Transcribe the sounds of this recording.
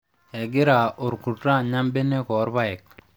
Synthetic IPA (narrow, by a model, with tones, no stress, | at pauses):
ɛ˨ɡɪ˦ɾa˨ʔʊ˨ɾku˨tɾa˦ɲa˦mbe˦nɛ˦kɔ˨˦ɾba˦ɛ˨k̚